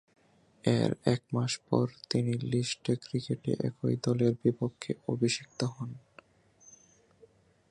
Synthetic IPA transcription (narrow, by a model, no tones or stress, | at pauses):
ḛɾɛk̚maʃpɔɾt̪iniliʃʈekɾikeʈḛʔɛ̰kʰojd̪ɔleɾbipokʰːeobʱiʃik̚t̪oɦɔn